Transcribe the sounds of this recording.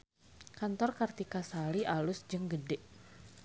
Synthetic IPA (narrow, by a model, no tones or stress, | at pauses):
kant̪ɔrkart̪ikasaliʔalʊsd͡ʒəŋɡədɛʔ